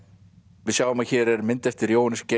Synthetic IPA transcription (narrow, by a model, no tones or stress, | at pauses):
vɪðsjawʏmaðçɛːɾɛɾmɪnt̪ɛft̪ɪɾjownɪsce